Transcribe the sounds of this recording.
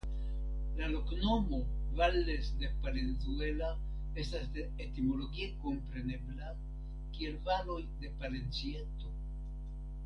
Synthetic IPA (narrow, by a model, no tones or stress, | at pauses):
lalo̞kno̞mo̞valːe̞sde̞paɾenzuela | e̞stasdeetimo̞lo̞ɡieko̞mpɾe̞ne̞bla | kie̞lvaɾo̞jde̞paɾe̞nt͡sieto̞